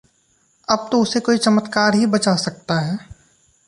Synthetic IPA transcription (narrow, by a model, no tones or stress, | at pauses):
ɐb̚t̪oʊsekoːit͡ʃɐmət̪kaːɾɦibɐt͡ʃasɐk̚t̪aɦɛː